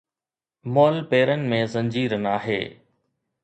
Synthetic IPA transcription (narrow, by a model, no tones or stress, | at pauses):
moːlpeːɾənɪ̆mẽzɐ̃ɲd͡ʑiːɾənaːɦḛː